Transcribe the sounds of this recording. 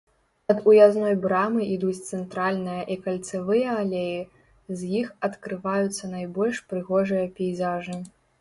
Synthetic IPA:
nɐd̪ujaznɔjbɾamɨʔid̪ut͡sʲt̪sɛnt̪ɾalʲnɨjɐʔikɐlʲt̪sɨvɨjɐːlʲeji | zjixɐt̪kɾɨvajut̪sːɐnajbɔlʲʂpɾɨɣɔʐɨjɐpʲɛjzaʐɨ

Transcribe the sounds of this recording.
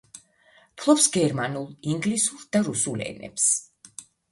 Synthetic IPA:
pʰlˠɔpsɡɛɾmanulˠiŋɡlisuɾd̪̥aɾusulɛ̰nɛ̰ps

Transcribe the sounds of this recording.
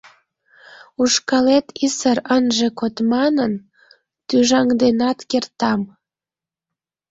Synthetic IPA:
uʃkɑlet̪isəɾənʒekot̪mɑnən | t̪yʒɑŋd̪enɑt̪kert̪ɑm

